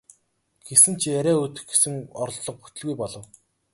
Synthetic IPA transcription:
ɡ̥esɘ̆nt͡ɕʰiæɾʲæːɵt̪ɘ̆xɡesɘ̆ŋɔr̆ɮɮɞ̆q̚put̪ɵ̆ɮɣujpɔɮɞ̆w

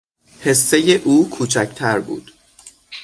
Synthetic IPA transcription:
he̞sːejeʔuːkʰuːt͡ʃʰæcʰt̪ʰæɾbṵːd̪̥

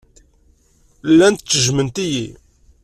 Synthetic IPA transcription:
lːænt̪t͡sːəʒmənt̪iji

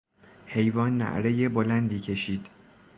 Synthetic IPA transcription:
he̞jvɒːnːæ̰ʔɾeje̞bolænd̪iːcʰe̞ʃiːd̪̥

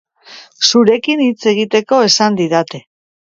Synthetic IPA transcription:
suɾe̞kinit͡se̞ɣ̞it̪e̞ko̞e̞sand̪iðat̪e̞

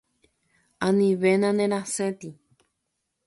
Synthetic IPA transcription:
ãnĩʋenãnẽɾ̃ãset̪i

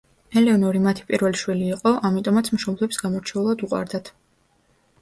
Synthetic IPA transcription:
ɛlɛɔnɔɾimat̪ʰi̥pʼiɾvɛliʃwiliːqʼɔʔamit̪ʼɔmat̪sʰmʃɔblˠɛbi̥sɡamɔɾt͡ʃʰɛulˠad̪uqʼwa̰ɾd̪at̪ʰ

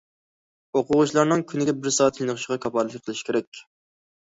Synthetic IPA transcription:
oqʊʁʊʃlˠɑɾnɨŋkʲʰynɪɡʲɛbɪɾsɑːt̪ʰjinɨχɨʃɪʁɑkʰɑpɑlˠɨqʰəlˠɨʃi̥kʲeɾɛkʲ

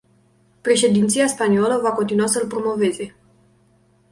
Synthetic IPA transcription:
pɾe̞ʃe̞d̪int̪siaspanioləvako̞nt̪inuasəlpɾo̞mo̞ve̞ze̞

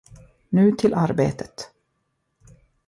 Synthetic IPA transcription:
nʉ̟ːt̪ʰɪlʔaɾbeːt̪ʰə̥t̪

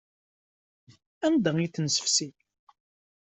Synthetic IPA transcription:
ænd̪əŋiθnsə̥fsi

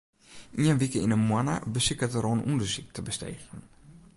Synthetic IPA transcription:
ʔiənʋikəinəmwana̰bəsikətəɾoːnundərsik̚tʰəbəstḛːɣən

